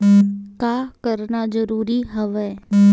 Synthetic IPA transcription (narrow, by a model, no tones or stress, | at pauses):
kaːkəɾnazəɾuːɾiɦəʋɛː